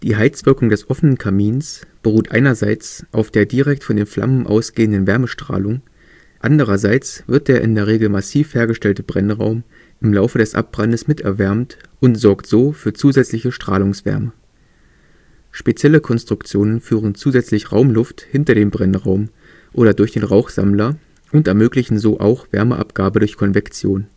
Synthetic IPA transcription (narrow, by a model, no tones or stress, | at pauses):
d̥iːɦaɪt͡sv̥ɪɐkʊŋdɛsʔɔfənənkʰamiːnsb̥əʁ̞uːtʔa̰ɪnɐzaɪt͡sʔaʊfd̥eːɐdiʁɛk̚tfɔndeːnfl̥a̰mənʔa̰ʊsɡ̥eːəndənvɛɐməʃtʁ̥a̰ːlʊŋ | ʔandəʁ̞ɐzaɪt͡sv̥ɪɐt̚d̥eːɐʔɪndeːɐʁ̞eːɡl̩masiːfheːɐɡəʃtɛltəbʁɛnʁa̰ʊm | ʔɪmlaʊfədɛsʔa̰p̚b̥ʁandəsmɪtɛ̰ɐvɛɐmtʔʊntz̥ɔɐktz̥oːfyːɐt͡suːzɛt͡slɪçəʃtʁ̥aːlʊŋsv̥ɛ̰ɐmə | ʃpet͡sjɛləkʰɔnstʁ̥ʊkt͡sjoːnənfyːʁənt͡suːzɛt͡slɪçʁaʊmlʊfthɪntɐɾeːmbʁɛnʁaʊm | ʔoːɾɐdʊɐçd̥eːnʁaʊxz̥a̰mlɐ | ʔʊntɛɐmøːklɪçn̩zoːʔa̰ʊxv̥ɛ̰ɐməʔa̰pɡ̥aːbədʊɐçkʰɔnvɛkt͡sjoːn